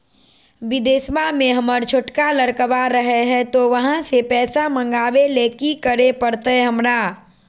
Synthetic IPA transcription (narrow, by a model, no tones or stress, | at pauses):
bɪd̪eːsmamẽɦəməɾt͡ʃʰoʈkaləɾkəʋaɾəɦeɦɛt̪oʋəɦãsepɛːsamə̃ŋɡaːʋeleːkikəɾepəɾt̪eɦəmɾaː